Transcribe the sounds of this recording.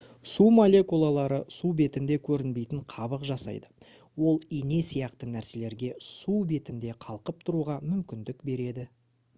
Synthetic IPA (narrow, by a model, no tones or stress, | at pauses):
sumolʲe̞kulˠalˠɑɾəsube̞t̪ɪnd̪e̞kʲʰɵɾɪnbe̞jt̪ɪɴqʰɑbəqʒɑsɑ̰jd̪ə | wo̞lˠine̞sijɑqt̪ənæɾse̞le̞ɾɡʲe̞sube̞t̪ɪnd̪e̞qʰɑlˠqəp̚t̪ʰʊɾuʁɑmʏmkʲɪnd̪ɪkbe̞ɾe̞d̪ɪ